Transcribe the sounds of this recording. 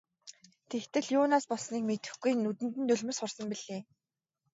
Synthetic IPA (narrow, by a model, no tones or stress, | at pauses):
t̪ʰext̪ɘ̆ɮjʊːnaːspɔsniːkmet̪ɘ̆xɡujnut̪ɘ̆nt̪ɘ̆nt̪ɵɮʲmɘ̆sχʊrsə̆mpiɮ̥eː